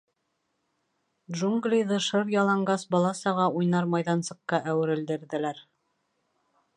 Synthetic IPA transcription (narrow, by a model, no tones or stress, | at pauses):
dʒuŋɡlʲijðɤʃɤɾjɑlˠɑɴɡɑsbɑlˠɑsɑʁɑujnɑɾmɑjðɑnsɤ̆qːɑʔæwɘ̆ɾɘ̆ld̪ɘ̆ɾðɘ̆læɾ